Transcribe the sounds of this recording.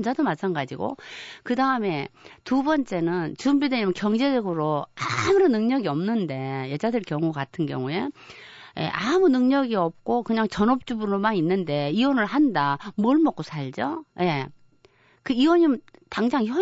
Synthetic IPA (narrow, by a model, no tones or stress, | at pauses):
nd͡ʑadomat͡ɕʰanɡad͡ʑiɡo̰kɯdaɯme̞tubʌnt͡ɕ͈e̞nɯnt͡ɕumbideɲimkjʌŋd͡ʑe̞d͡ʑʌɡɯɾoamɯɾɯnɯŋɲʌɡiʌmnɯnde̞jʌd͡ʑadɯɭkjʌŋukatʰɯnɡjʌ̰ŋue̞je̞̰ʔamunɯŋɲʌɡiʌp̚k͈okɯɲaŋt͡ɕʌnʌp̚t͡ɕ͈ubunomaninːɯnde̞iwʌnɯɭhandamwʌɭmʌk͈̚osʰaɭd͡ʑoje̞ | kɯiwʌɲimtaŋd͡ʑaŋçjʌ